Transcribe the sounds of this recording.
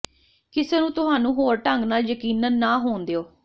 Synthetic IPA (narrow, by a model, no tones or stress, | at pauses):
kɪseːnũːt̪ʊɦaːnũːɦoːɾʈəŋɡnaːljəkiːnənːaːɦoːnd̪eːoː